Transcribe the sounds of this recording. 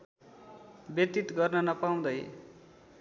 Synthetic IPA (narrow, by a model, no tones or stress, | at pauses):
bjʌt̪it̪ɡʌrnʌnʌpaw̃d̪ʌj